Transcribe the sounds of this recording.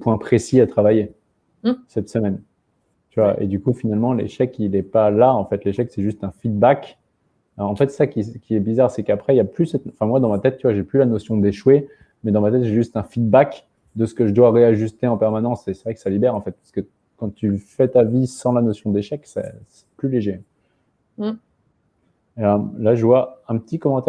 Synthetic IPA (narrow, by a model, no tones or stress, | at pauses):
pwɛ̃pχesiat̪χavaje | sɛt̪səmɛn | t̪yvaʔḛd̪ykufinalmɑ̃lḛʃɛkilɛpalaɑ̃fɛt̪leʃɛksɛʒyst̪ɛ̃fid̪̚bak | aɑ̃fɛt̪ssakʲikʲiɛbizaʁsɛkapχɛijaplysɛt̪ɑ̃fɛ̃mwad̪ɑ̃mat̪ɛt̪̚ːyvwaʒɛplylanosjɔ̃d̪eʃwe | mɛd̪ɑ̃mat̪ɛt̪ʒeʒyst̪ɛ̃fid̪̚bak | d̪əsə̥kəʒəd̪waʁeaʒyst̪eɑ̃pɛʁmanɑ̃sesɛvʁɛkəsalibɛʁɑ̃fɛt̪̚pḁʁskə | kɑ̃t̪yfɛt̪avisɑ̃lanosjɔ̃d̪eʃɛksɛ̰sɛ̥plyleʒe | əmlaʒəvwaɛ̃pət̪ikɔmɑ̃t̪ɛ